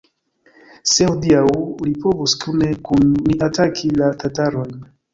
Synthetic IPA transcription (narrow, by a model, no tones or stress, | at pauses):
seud̪iaulipɔvuskunekunniʔatakʰilat̪ataɾojn